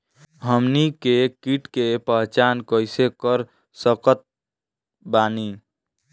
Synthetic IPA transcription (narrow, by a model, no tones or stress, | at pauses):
ɦəmnikekiʈkepəɦt͡ʃankəɪsekəɾ | səkət̪̚ | bani